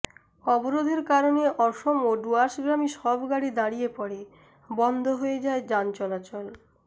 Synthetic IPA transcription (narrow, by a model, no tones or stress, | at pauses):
ɔboɾod̪ʱeɾkaɾoneʔɔʃomoɖuaʃɡɾamiʃɔbʱɡaɽid̪aɽijepɔɽe | bɔnd̪ʱoɦojed͡ʑaed͡ʑant͡ɕɔlat͡ɕɔl